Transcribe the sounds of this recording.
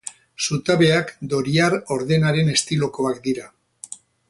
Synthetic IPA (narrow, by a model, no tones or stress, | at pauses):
sut̪aβe̞akd̪o̞ɾiaɾo̞ɾðe̞naɾe̞ne̞st̪ilo̞ko̞akd̪iɾa